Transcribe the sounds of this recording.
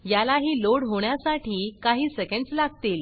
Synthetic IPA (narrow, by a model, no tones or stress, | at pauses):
jalaɦiːloɽɦoɳjasaʈiːkaɦiːsekəɳɖslaɡ̚t̪iːl